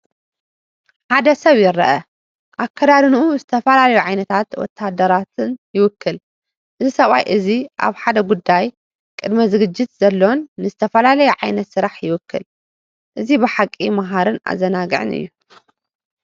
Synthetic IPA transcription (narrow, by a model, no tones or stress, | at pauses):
ħad̪ɐsɐβjɪɾɐ̰ʔɐ | ʔakʰːɐd̪aɾɨnʔuzɨt̪ʰɐfɐlalɐjuʕajnɐt̪ʰat̪wɔ̰t̪ʰːad̪ːɐɾat̪ɨnjɪwʊkʰːɨl | ʔɨzisɐβʼa̰jʔɨziʔa̰βħad̪ɐɡud̪ːaj | kʼɨd̪mɐzɨɡɨd͡ʒːɪt̪z̥ɐlːo̞nːɨzɨt̪ʰɐfɐlalɐjuʕajnɐt̪sɨɾaħjɪwʊkʰːɨl | ʔɨzibɨħakʼːimaɦaɾɨna̰zːɐnaɡɨʕɨ̰nɨ̰jːu